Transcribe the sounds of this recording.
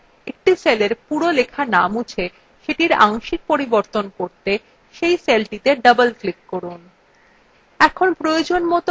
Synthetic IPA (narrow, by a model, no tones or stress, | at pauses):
ek̚ʈiseleɾpuɾolekʰanamut͡ɕʰe | ʃeʈiɾa̰ŋʃiɾ̚poɾiboɾt̪onkoɾt̪e | ʃejselʈit̪eɖəbəlklikːoɾun | ɛkʰonpɾojod͡ʑonmɔt̪o